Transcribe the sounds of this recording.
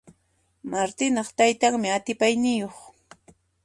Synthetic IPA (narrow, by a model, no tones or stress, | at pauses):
maɾt̪ɪnɑχt̪ajt̪aŋmɪat̪ɪpajnɪjoχ